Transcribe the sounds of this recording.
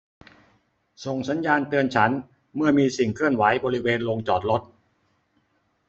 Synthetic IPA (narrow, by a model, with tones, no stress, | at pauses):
so˨˩ŋsa˨˦˥njaː˧nt̪ɯ˧ənt͡ɕʰa˦˥n | mɯ˥˩əmiː˧si˨˩ŋkʰɯ˥˩ənwa˩˦jbɔː˧ɾi˦˥weː˧nlo˧ŋt͡ɕɔː˨˩t̪̚lo˦˥t̪̚